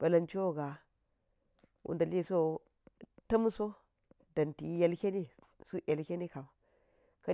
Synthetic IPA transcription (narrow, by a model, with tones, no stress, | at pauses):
b̥a˨la˨nt͡ʃo˦˨ɡa˨ | wʔṵ˦nda˨li˦˨so˦ | ta˦m˦so˦ | da˨nti˨˦ja˨lkʲe˦ni˦ | su˦ʔa˨lkʲe˦ni˦ka˨ma˨ | ka˦